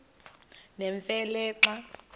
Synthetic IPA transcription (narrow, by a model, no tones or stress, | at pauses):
nɛɱfɛlɛːǁa